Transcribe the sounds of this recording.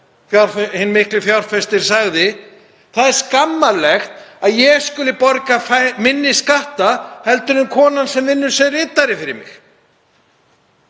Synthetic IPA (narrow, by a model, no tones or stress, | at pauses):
fjawɾ̥fhɪnːmɪhklɪfjawɾ̥fɛst̪ɪɾ̥saɣðɪ | θaðɛɾ̥skamːalɛxt̪aðjɛɣskʏːlɪpɔɾkafamɪnːɪskaht̪ahɛlt̪ʏnʏmkʰɔːnansɛmvɪnːʏɾ̥sɛðrɪːt̪aɾɪfɪɾɪ̰mɪ̰x